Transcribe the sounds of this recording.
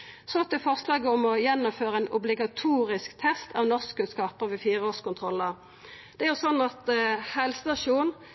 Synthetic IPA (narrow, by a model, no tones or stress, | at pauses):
sɔɑt̪̚d̪ɛfɔʁslɑːɡəɔmɔjɛnːʊmføːʁəɛːnʊblɪɡɑt̪ʰuːʁɪskt̪ʰɛst̪ʰɑʋnɔʁskkʉnskɑːpəʁʋɛfiːʁəoːskʊnt̪ʰʁɔlːəʁ | d̪̥ɛæːʁjʊsɔnːɑt̪hɛlsət̪ɑʂuːn